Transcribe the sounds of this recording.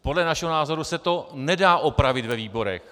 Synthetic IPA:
podlɛnaʃɛɦo̞naːzo̞ɾusɛt̪o̞nɛdaːʔopɾavɪt̪vɛviːbo̞ɾɛ̰x

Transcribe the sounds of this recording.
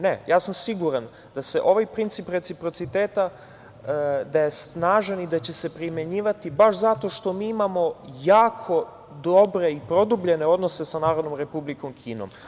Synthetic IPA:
ne̞jʔaːsamsiɡuɾan | d̪̥ase̞ʔo̞ʋajpɾint̪sipɾe̞t̪sipɾo̞t̪sit̪eːt̪a | d̪aje̞snaːʒanid̪at͡ɕe̞se̞pɾime̞ɲiːʋat̪ibaʃzat̪o̞ʃt̪o̞miːimamo̞jaːkʰo̞ | d̪obɾe̞ipɾo̞d̪ubʎe̞ne̞o̞d̪nose̞sanaːɾo̞d̪nomɾe̞publiko̞mkʰiːno̰m

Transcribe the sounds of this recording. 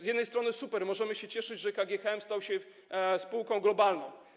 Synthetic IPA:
zjɛd̪nɛjst̪ɾɔnɘsupɛɾmɔʐɛmɘɕɛt͡ɕɛʂɘd͡ʑʐɛkaɡʲjɛxɛmst̪awɕɛ | spuwkɔ̃w̃ɡlɔbalnɔ̰̃w̃

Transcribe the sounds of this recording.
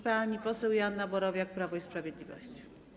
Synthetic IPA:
paɲipɔsɛwjanːabɔɾɔvʲjak̚pɾavɔispɾavʲjɛd̪lʲivɔ̰ɕt͡ɕi̥

